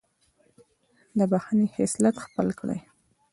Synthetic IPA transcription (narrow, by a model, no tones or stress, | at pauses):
d̪əbaxanehɪslat̪xpəlkɽə̰j